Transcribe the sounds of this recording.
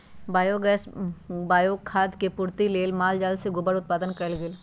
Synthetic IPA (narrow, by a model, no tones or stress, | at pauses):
baːjoːɡɛːsbaːjoːkʰːaːd̪kepʊɾt̪ileːlmaːld͡ʒaːlseɡʊbəɽʊt̪̚paːd̪ənkəlɡɪl